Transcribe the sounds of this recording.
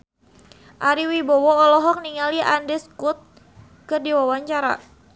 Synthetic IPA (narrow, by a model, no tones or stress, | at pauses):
ʔaɾiwibɔwɔːlɔɦɔk̚niŋaliʔandɛskut̪̚ | kərdiwawaɲt͡ʃaɾa̰